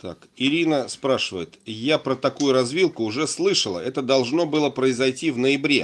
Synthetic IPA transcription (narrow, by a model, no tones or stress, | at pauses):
t̪a̰kɪɾʲinəspɾaʂɨvə̰jɪt̪japɾət̪ɐkujʊɾɐzvʲilˠkʊːʐɛslˠɨʂəlˠə̰ɛt̪əd̪ɐlˠʐno̞bɨlˠəpɾəɪzɐjtʲivnəjɪbɾʲḛ